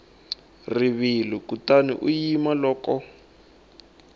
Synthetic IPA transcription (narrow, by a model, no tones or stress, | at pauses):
riβilikutanḭʔujimalɔːkɔ